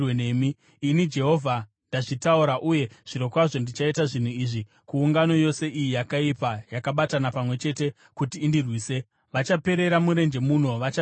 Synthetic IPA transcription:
wenemiː | nid͡ʒe̞ɦo̞vʱa | ndaʐitauɾaʔuje̞ʐ̥iɾo̞kwaʐo̞ndit͡ʃaitaʐin̤uiːʐi | kuːŋɡano̞jo̞se̞ʔijijakaipajakaɓatanapamwe̞t͡ʃe̞te̞ | kutiːndirwiːse̞ | ʋat͡ʃape̞ɾe̞ɾamuɾe̞nd͡ʒe̞mun̤o̞ʋat͡ʃa

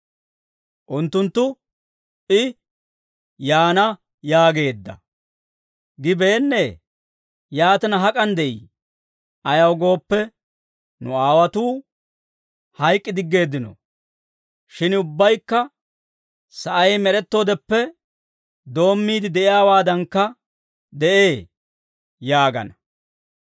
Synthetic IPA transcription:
ʔʊnt̪ːʊnt̪ːʊ | ʔɪ | jaːnɐ | jaːɡe̞ːd̪ːɐ̰ | ɡɪbe̞ːnːeː | jaːt̪ɐnɐɦɐkʼɐnd̪ɛʔḭː | ɐjɐwɡo̞ːpːɛ | nʊ̰aːwɐt̪uː | hɐjkʼːɪd̪ɪɡːe̞ːd̪ːɪnɔ̰ | ʃɪnʊbːɐjkːɐ | sɐʔɐjmɛɾɛt̪ːo̞ːd̪ɛpːɛ | d̪o̞ːmːiːd̪ɪd̪ɛʔɪjaːwaːd̪ɐŋkːɐ | d̪ɛʔeː | jaːɡɐ̰nɐ

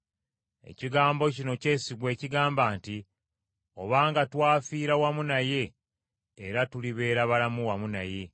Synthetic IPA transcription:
e̞̰ciɡaːmbo̞cino̞ce̞ːsiɡwe̞ːciɡaːmbaːnti | o̞βaːŋɡatwaːfiːɾawamunaje̞ː | ɾatuliβe̞ːɾaβalamuwamuna̰je̞

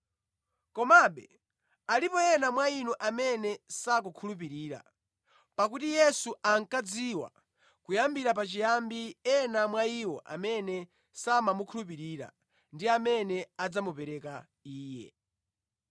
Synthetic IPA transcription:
kɔmaɓɛ | alipɔɛnamwainuʔamɛnɛsak̬ukʰulup̬iɾiːɾa̰ | pakutijɛsuaŋ̩kad͡ziwa̰ | kujambiɾap̬at͡ʃijambiɛnamwaiwɔʔa̰mɛnɛ | samamukʰulup̬iɾiːɾa̰ | ndiamɛnɛad͡zamupɛɾɛka | iːjɛ̰

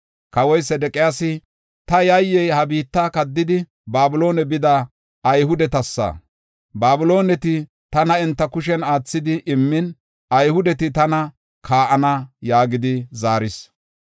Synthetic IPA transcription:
kɐwɔjsɛd̪ɛkʼɪjaːsɪ | t̪ɐjɐjːɛjhɐbiːt̪ːakɐd̪ːɪd̪ɪ | baːbʊlo̞ːnɛbɪd̪ɐ | ɐjɦʊd̪ɛt̪ɐsːɐ̰ | baːbʊlo̞ːnɛt̪ɪ | t̪ɐnɐɛnt̪ːɐkʊʃɛnaːt͡sːɪd̪ɪʔɪmːɪn | ɐjhʊd̪ɛt̪ɪt̪ɐnɐ | kʰaːʔɐnɐjaːɡɪd̪ɪzaːɾɪs

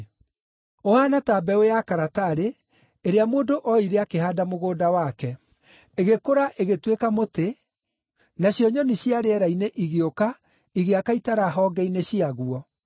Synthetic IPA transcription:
ohanatabɛojakaɾataɾe | eɾeamoːdoʔɔiɾeakeɦaːdamoɣoːdawakɛ | eɣekoɾaʔeɣetwekamote | naɕjɔɲɔniɕjaɾeɛɾaineʔiɣeoka | iɣeakaitaɾaɦɔːɡɛineɕiaɣuɔ

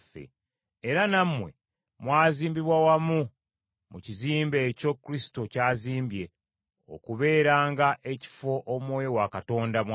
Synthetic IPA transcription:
fḛ | eɾanamwe̞̰ | mwaːziːmbiβwawamu | muciziːmbe̞ːco̞kːuɾisi̥to̞caːziːmbje̞ | o̰kuβe̞ːɾaːŋɡaʔe̞ci̥fo̞ʔomwoːjowakato̞ːndam

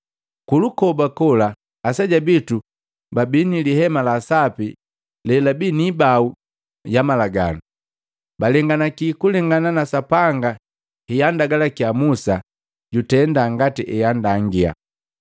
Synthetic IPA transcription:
kulukɔbakɔlaː | saɟabitu | babiniliɦɛmalasapi | lɛlabinibau | jamalaɡa̰nu | balɛŋɡanakikulɛŋɡananasapaŋɡa | hijandaɡalakiamusa | ɟutɛndaŋɡatiʔɛjandaŋɡia̰

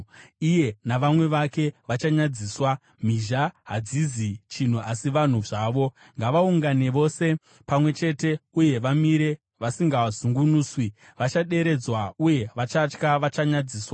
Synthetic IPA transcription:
ije̞naʋamwe̞ʋake̞ʋat͡ʃaɲad͡ziːswa | m̤iʒaɦad͡zizit͡ʃin̤uʔasiʋan̤uʐaːʋo̞ | ŋɡaʋauŋɡane̞ʋo̞se̞ | pamwe̞t͡ʃe̞te̞uje̞ʋamiɾe̞ | ʋasiŋɡaʋazuŋɡunuːswi | ʋat͡ʃaɗe̞ɾe̞d͡zwauje̞ʋat͡ʃat͡ʃkaʋat͡ʃaɲad͡ziːswa

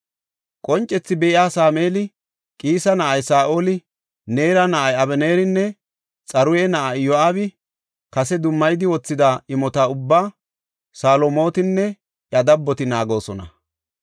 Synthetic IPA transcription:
kʼɔnt͡ʃʼːɛt͡sːɪbɛʔɪaːsaːmeːlɪ | kʼiːsɐnɐʔɐjsaːʔo̞ːlɪ | neːɾɐnɐʔɐjɐbɛne̞ːɾɪnːɛ | t͡sʼɐɾʊjɛnɐʔajjɔaːbɪ | kɐsɛd̪ʊmːɐjd̪ɪwɔt͡sːɪd̪aɪmɔt̪aʊbːaː | saːlomo̞ːt̪ɪnːɛ | ʔjɐd̪ɐbːɔt̪ɪnaːɡo̞ːsɔnɐ̰

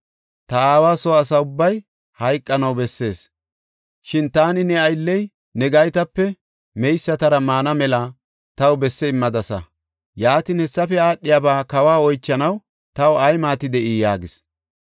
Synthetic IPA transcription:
t̪ɐaːwaːsɔɐsɐʊbːɐj | hɐjkʼːɐnɐwbɛsːe̞ːs | ʃɪnt̪aːnɪnɛɐjlːɛj | nɛɡɐjt̪ɐpːɛ | mɛjsːɐt̪ɐɾɐmaːnɐmɛla | t̪ɐwbɛsːɛɪmːɐd̪ɐsɐ̰ | jaːt̪ɪnhɛsːɐfɛaːɗɪjabaːkɐwaːɔjt͡ʃːɐnɐw | t̪ɐwɐjmaːt̪ɪd̪ɛʔiːjaːɡɪs

